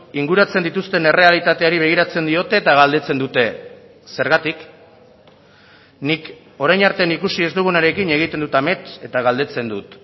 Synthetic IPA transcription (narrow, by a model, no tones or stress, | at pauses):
iŋɡuɾat͡se̞nd̪it̪ust̪e̞ne̞re̞alit̪at̪e̞aɾiβ̞e̞ɣ̞iɾat͡se̞nd̪io̞t̪e̞ːt̪aɣald̪e̞t͡se̞nd̪ut̪e̞ | se̞ɾɣat̪ik | nik | o̞ɾajnaɾt̪e̞anikusie̞zd̪uɣunaɾe̞kine̞ɣ̞it̪e̞nd̪ut̪ame̞t̪e̞t̪aɣald̪e̞t͡se̞nd̪ut̪